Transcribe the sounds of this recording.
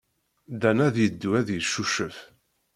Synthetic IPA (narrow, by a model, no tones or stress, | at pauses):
d̪ænæðjəd̪ːuæðjəʃːuʃəf